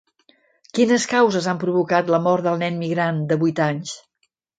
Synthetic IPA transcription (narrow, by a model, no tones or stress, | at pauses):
kinəskawzəzampɾuβukat̪ləmɔɾd̪əlˠnɛnmiɣɾand̪əβujt̪aɲs